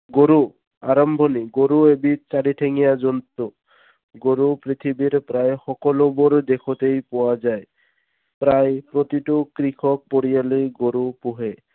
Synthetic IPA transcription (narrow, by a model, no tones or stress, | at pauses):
ɡoɾu | a̰ɾɔmbʱɔniɡoɾuebiɾt͡ʃaɽiʈʰeŋijad͡ʒɔnt̪o | ɡoɾupɾit̪ʰibiɾpɾajxɔkɔloboɾd̪ekʰot̪ejpɔwad͡ʑaej | pɾajpɾot̪iʈokɾikʰɔk̚poɽijaleɡoɾupuɦe